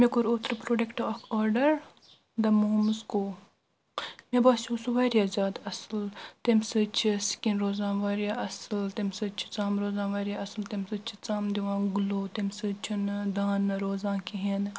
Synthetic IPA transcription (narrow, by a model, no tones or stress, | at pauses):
mekoɾoːt̪ɾɨpɾoːɖekʈokʰɔːɾɖəɾ | d̪ɐmoɦmskoː | mebaːt͡ʃʰũsuʋaːɾjaːzʲaːd̪ɐslt̪emsɨt͡ʃʰisi̥kʲinɾoːzãːʋaːɾjaːʔɐslt̪emsɨt͡ʃʰi̥t͡saːmɾoːzãːʋaːɾjaɐslt̪emsɨt͡ʃʰi̥t͡saːmd̪iʋãːɡʊloːt̪emsɨt͡ʃʰind̪aːnɾoːzãːkiɦen